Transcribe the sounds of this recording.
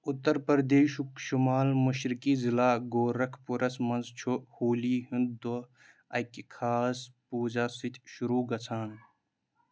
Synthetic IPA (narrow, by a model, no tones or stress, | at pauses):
ʊt̪ːɐɾpɐɾd̪eːʃkʃumaːlmuʃɾɪkiːzilaːɡoːɾɐkʰpuɾɐsmɐnzt͡ʃʰuhoːliːɦund̪d̪o | ɐkikʰaːspuːd͡ʒaːsit̪ʲʰʃuɾuːɡɐt͡sʰaːn